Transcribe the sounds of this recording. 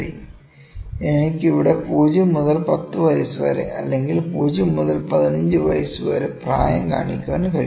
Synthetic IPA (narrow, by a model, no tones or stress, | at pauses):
i | enikʲːiʋiɽepuːd͡ʑumːuðɐlpɐt̪ːɨʋɐjɐsɨʋɐ̰ɾḛʔɐ̰lːe̞ŋɡilpuːd͡ʑumːuðɐlpɐðinɐɲd͡ʑɨʋɐ̰jɐsɨʋɐ̰ɾepra̰ːjɐ̰mka̰ːɳikʲːuɐːnːkɐ